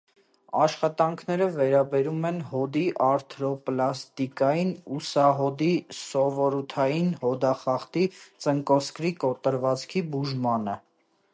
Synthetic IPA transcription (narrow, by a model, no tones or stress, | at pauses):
ɑʃχɑt̪ɑŋkʰnɛɾəvɛɾɑbɛɾumɛnɦɔd̪iʔɑɾt̪ʰɾɔplɑst̪ikɑjinusɑɦɔd̪isɔvɔɾut̪ʰɑjinhɔd̪ɑχɑχt̪it͡səŋkɔskɾikɔt̪əɾvɑt͡skʰibuʒmɑnə̰